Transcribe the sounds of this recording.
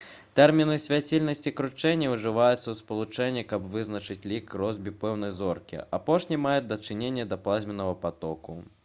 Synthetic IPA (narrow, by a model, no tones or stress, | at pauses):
t̪ɛrmʲinɨsʲvʲat͡sʲilʲnɐsʲt͡sʲikɾut͡ʂɛnʲːɐwʐɨvajut̪sːɐwspɐlˠut͡ʂɛnʲːikɐbvɨznɐt͡ʂɨt͡sʲlʲikrɔzbʲipɛwn̪ɐjzɔrkʲḭapɔʂnʲimajɛd̪ɐt͡ʂɨnʲenʲːɐd̪ɐplˠazʲmʲɛnɐvɐpat̪ɔkṵ